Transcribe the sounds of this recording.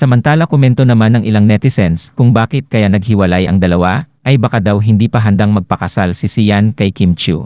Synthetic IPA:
sɐmɐnt̪aːlɐkʊmɛnt̪o̞nɐmanɐŋʔɪlaŋnɛt̪ɪsɛnskʊŋbaːkɪt̪̚kɐjanɐɡ̚hɪwɐlajɐ̰ŋd̪ɐlɐwaʔɐjbɐkad̪awɦɪnd̪iːpɐɦɐnd̪aŋmɐɡ̚pɐkɐsalsɪsijankɐjkimt͡ʃṵ

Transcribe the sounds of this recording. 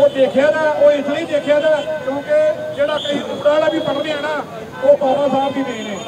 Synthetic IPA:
oːd̪eːkʰjaːd͡ʒaːoːɪsləiːd̪eːkʰjaːd͡ʒaːkjõːkeːd͡ʒeːɽaːkəiːʔʊːɾaːlaːbiːpəɽd̪eːɦɛːnaː | oːpaːpãːsaːbdiːd̪eiːneː

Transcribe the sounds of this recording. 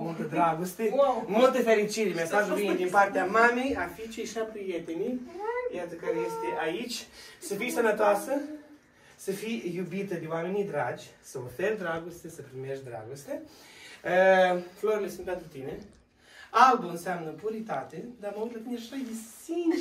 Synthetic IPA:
mult̪əd̪ɾaɡost̪emult̪əfeɾit͡ʃiɾemʲast̪asvind̪inpart̪eamamejafit͡ʃejʃapɾijet̪enijat̪əkaɾejest̪eʔait͡ʃʲsəfijsənət̪oasə | səfijjubit̪əd̪ewamenid̪ɾad͡ʒʲsəoferd̪ɾaɡost̪esəpɾimeʃd̪ɾa̰ɡost̪e | əfloɾmesimp̪ent̪ɾut̪ine | alb̪oɨnsjamnəpuɾit̪at̪ed̪aməujt̪lat̪ineʃajvisin

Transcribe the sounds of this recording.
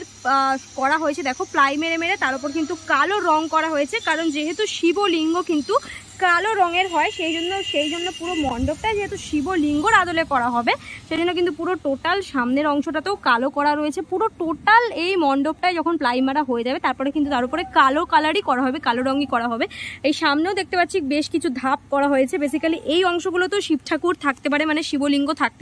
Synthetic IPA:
ɾ | kɔɾaɦojet͡ɕʰed̪ɛkʰoplajmeɾemeɾet̪aɾop̬oɾkint̪ukaloɾɔŋkɔɾaɦojet͡ɕʰekaɾond͡ʑeɦet̪uʃiboliŋɡokint̪u | kaloɾɔŋeɾɦɔeʃejd͡ʑonːoʃejd͡ʑonːopuɾomɔɳɖop̚ʈaed͡ʑeɦet̪uʃiboliŋɡoɾad̪olekɔɾaɦɔbeʃejd͡ʑonːeokint̪upuɾoʈoʈalʃamneɾɔŋʃoʈat̪ookalokɔɾaɾoet͡ɕʰepuɾoʈoʈalejmɔɳɖop̚ʈaed͡ʑɔkʰonplajmaɽaɦoed͡ʑabet̪aɾpɔɾekint̪ut̪aɾupoɾekalokalaɽikɔɾaɦɔbekaloɾɔŋikɔɾaɦɔbeejʃamneod̪ek̚t̪epat̪ːɕʰibeʃkit͡ɕʰud̪ʱap̚kɔɾaɦojet͡ɕʰebes̬ikaliʔejɔŋʃoɡulot̪oʃipʈʰakuɾt̪ʰak̚t̪epaɾemaneʃiboliŋɡot̪ʰak̚t̪e

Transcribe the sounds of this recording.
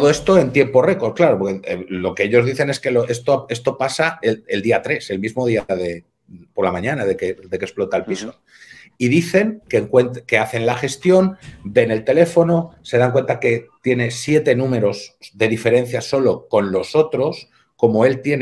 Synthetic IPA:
t̪oðoe̞st̪o̞e̞nt̪je̞mpo̞re̞koɾklaɾopokelo̞keeʎo̞zðiθe̞neske̞loʔe̞st̪oe̞st̪o̞pasaeeld̪iat̪ɾe̞se̞lmizmo̞ð̞iaðe̞ | po̞ɾlamãɲãnaðeked̪e̞kesplo̞t̪aelpiso | iðiθe̞ŋkeŋkwent̪ke̞aθe̞nlaxe̞st̪jo̞nbe̞ne̞lt̪e̞le̞fo̞no̞se̞ðaŋk̬we̞nt̪ake̞t̪je̞ne̞sje̞t̪e̞nũme̞ɾo̞sðe̞ðife̞ɾẽ̞n̟θjaso̞lo̞ko̞nlo̞so̞t̪ɾo̞s | ko̞mo̞e̞lt̪je̞n

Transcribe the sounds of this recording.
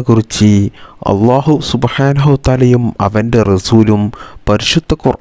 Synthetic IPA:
kurit͡ɕːɨɐ̰lˤːaːɦusubħaːnɐɦut̪aːlɐjumɐ̰ʋɐnde̞rɐsuːlumpɐɾiʂud̪ʱːɐkurʔ

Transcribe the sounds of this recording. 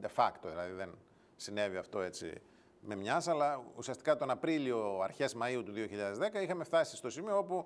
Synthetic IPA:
d̪e̞fɐkt̪oðilɐðiðe̞n | sine̞viɐft̪o̞e̞t͡sḭ | me̞mɲɐsɐlɐusiɐst̪i̥kɐt̪o̞nɐpɾilio̞ɐɾçe̞zmɐiut̪uðio̞çiʎɐðezðe̞kɐixɐme̞ft̪ɐsist̪o̞simioopu

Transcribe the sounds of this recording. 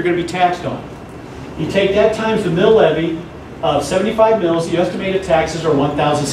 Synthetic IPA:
ə˞ɡʌ̃nɨbitʰækstn̩ | jɨtʰeɪk̚ðɨtʰãɪ̃mzðɨmɪlˠɛvi | ʌv̥sɛṽn̩tifaɪvmɪlˠzjɨɛstɨmeɪɾɨd̚tʰæksɨzə˞wʌ̃nθaʊz̃n̩s

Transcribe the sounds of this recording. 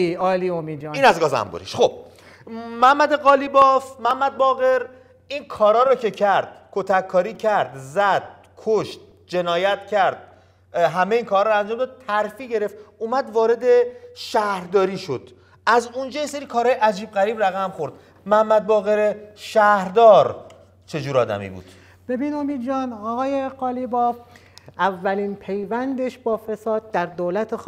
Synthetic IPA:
ɒːliomid͡ʒiːnæzɡɒːzæ̰mbṵɾḭʃχob̥̚ | mæmːæd̪eɣɒːlibɒfmæmːæd̪̚bɒːɣe̞ɾ | inkʰɒːɾɒːɾɒcʰe̞cʰæɾd̪̥kʰot̪ʰækʰːɒːɾiːcʰæɾd̪zæd̪̥̚ | kʰoʃt̪̚ | d͡ʒe̞nɒːjæt̪ʰcʰæɾd̪̥̚ | ɦæmeiːnkʰɒːɾɔɾænd͡ʒɒːmd̪ːd̪̚t̪ʰæɾfiːɟe̞ɾe̞ft̪uːmæd̪vɒːɾe̞d̪e̞ʃæhɾd̪ɒːɾiːʃod̪̥ | æzund͡ʒɒːjeseɾiːkʰɒːɾhɒːjeʔæd͡ʒiːbɣæɾiːbɾæɣæmxo̞ɾd̪̥ | mæhæmːæd̪̚bɒːɣeɾeʃæhɾd̪ɒːɾ | t͡ʃʰe̞d͡ʒuːɾɒːd̪æ̰mḭbṵːd̪̥ | b̥ebiːnomiːd̪d͡ʒɒːnɒːɣɒːjeɣɒːlibɒːv | ʔævːæliːnpʰe̞jvænd̪eʃbɒːfesɒːd̪̚ːæɾd̪olæt̪ʰex

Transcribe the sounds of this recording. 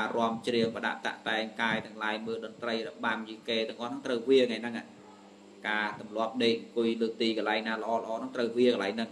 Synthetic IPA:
aːrŏəmt͡ɕriəŋpəɗa̰ʔt̪a̰ʔt̪aɛŋkaːjt̪ɨ̆əŋlaːjməːlɗɑnt̪rəjrəɓamt͡ɕiːkeːt̪ɨ̆əŋʔɑːhnɨŋt̪rəwʋiəŋajnɨŋʔa̰ː | kaːt̪umlŏəp̚ɗeːpujləːt̪iːkɑlaɛjŋnaːlə̆ʔɑːlə̆ʔɑːnɨŋt̪rəwʋiəkɑlaɛŋnɨŋ

